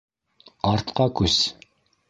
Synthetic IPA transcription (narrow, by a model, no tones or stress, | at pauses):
ɑɾt̪qɑkʰʉs